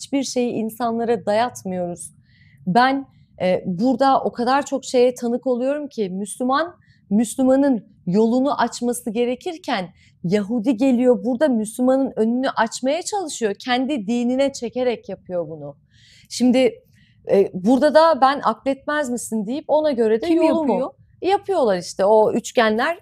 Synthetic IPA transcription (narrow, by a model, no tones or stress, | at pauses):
t͡ʃbiɾʃe̞jiʔinsanlˠaɾad̪ajat̪mɯjo̞ɾuz̥ | bæn | ɛːbuɾd̪aʔo̞kʰad̪aɾt͡ʃʰo̞kʃe̞jɛt̪ʰanɯko̞lˠujo̞ɾumcʰɪmyslʲyman | myslʲymanɯn | jo̞lˠunuʔat͡ʃmasɯɟe̞ɾe̞cʰiɾcʰæn | jaɦud̪iɟe̞lʲijo̞buɾd̪amyslʲymanɯnø̞nynyʔat͡ʃmajat͡ʃʰalˠɯʃɯjo̞cʰɛnd̪id̪iːninɛt͡ʃʰe̞ce̞ɾɛcjapʰɯjo̞bunʊ | ʃimd̪ɪ | ɛbuɾd̪ad̪abænʔa̰klʲɛt̪̚mæzmisind̪ijipo̞naɟø̞ɾɛd̪ɛjooo | japʰɯjo̞lˠaɾiʃt̪ʰɛo̞yt͡ʃcænlʲæɾ̥